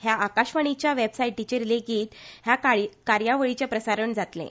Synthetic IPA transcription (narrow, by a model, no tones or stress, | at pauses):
ɦjaʔakaɕʋəɳ̃it͡ɕjaʋebsaiʈʈit͡ɕeɾleɡiːt̪ɦjakkaɾjaʋəɭit͡ɕjapɾəsaɾəɳd͡zat̪lḛ̃